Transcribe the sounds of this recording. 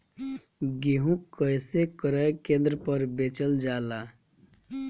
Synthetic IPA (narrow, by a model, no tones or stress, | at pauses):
ɡeɦũkəjsekəɾəjkẽnd̪ɾəpəɾbet͡ʃəld͡ʒala